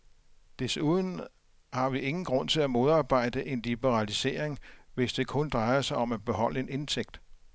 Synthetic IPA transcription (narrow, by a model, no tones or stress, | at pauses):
d̥esuð̞ˠn̩ | hɑ̈ʋie̝ŋn̩ɡ̥ʁɔ̽n̰t͡sʰe̝læmo̝ð̞ˠɑ̈ːb̥ɑ̈ɪ̰d̥əʔe̝nlib̥əʁɑlise̝̰ːɐ̰eŋʋe̝sd̥e̝kʰɔ̽nd̥ʁɑ̈ɪɐsɑ̈ɪɒ̽mæb̥e̝ɦɒ̽l̰əe̝ne̝nt͡sʰeɡ̥̚d̥